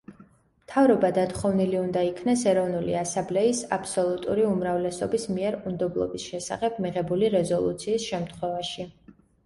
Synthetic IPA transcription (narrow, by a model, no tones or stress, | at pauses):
mt̪ʰavɾɔbad̪at̪χɔvniliund̪aikʰnɛsɛɾɔvnuliasamblɛisa̰pʰsɔlˠut̪ʼṵɾiumɾavlɛsɔbismiɛɾund̪ɔblˠɔ̰bisʃɛsa̰χɛb̥miʁɛbuliɾɛzɔlˠṵt̪sʰiːsʃɛmt̪ʰχwɛvaʃi